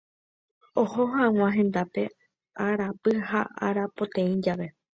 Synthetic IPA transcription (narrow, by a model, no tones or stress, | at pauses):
o̞hohãw̃ãɦẽ̞nd̪ape̞ | aɾapɨhaʔa̰ɾapo̞t̪ẽĩd͡ʒaʋe̞